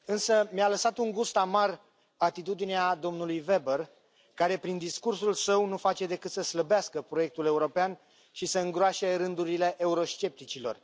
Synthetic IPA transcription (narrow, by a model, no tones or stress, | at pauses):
ɨnsəmjaləsat̪uŋɡust̪amar | at̪it̪ud̪inead̪o̞mnulujve̞bər | kaɾe̞pɾind̪iskursulsəwnufat͡ʃe̞d̪e̞kɨt̪səsləbeaskəpɾoje̞k̚t̪ule̞uɾo̞pean | ʃisəɨŋɡɾoaʃe̞ɾɨnd̪uɾile̞ʔeuɾo̞st͡ʃe̞p̚t̪it͡ʃilo̞̰r